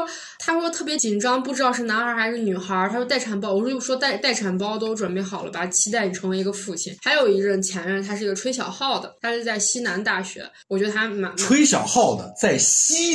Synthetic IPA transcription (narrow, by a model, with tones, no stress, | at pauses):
t̪ʰa˥ʂwɔ˥t̪ʰɤ˥˩pjɛ˧˥t͡ɕi˨˩nʈ͡ʂɑ˥ŋpu˥˩ʈ͡ʂɻ̩˥ɑ˥˧ʊʂɻ̩˥˩na˧˥nxa˞˧˥xɪʂɻ̩˥˩ny˨˩xə˞˧˥˧t̪ʰa˥ʂɔ˥t̪a˥˩ɪa˨˩npɑ˥wɔ˨˩ʂʂwɔ˥t̪a˥˧ɪt̪a˥˩ɪʈ͡ʂʰa˨˩npɑ˥ʊt̪o˥ʊʈ͡ʂwa˨˩npe˥˩ɪxɑ˨˩ʊlə˦pa˨˩t͡ɕʰi˥t̪a˥˩ɪn˨˩ʈ͡ʂʰɤ˧˥ŋwe˥ɪ˧˥ɡə˧fu˥˩t͡ɕʰḭ˨˩˦nxa˧˥ɪjo˨˩ʊi˧˥ɻə˥˧˩nt͡ɕʰjɛ˧˥nɻə˥˧nt̪ʰa˥ʂɻ̩˥˩˧ə˧ʈ͡ʂʰwe˥ɪɕ̬jɑ̰˨˩ʊxɑ˥˩ʊd̪ə˩t̪ʰa˥ʂɻ̩˥˧t͡sa˥˩ɪɕi˥na˧˥nt̪a˥˩ɕɥɛ̰˧˥wɔ˨˩t͡ɕɥɛ˧˥d̪ə˧a˥ma˧˥we˥ɪɕjɑ˨˩ʊxɑ˥˩ʊd̪ə̰˩t͡sa˥˩ɪɕi˥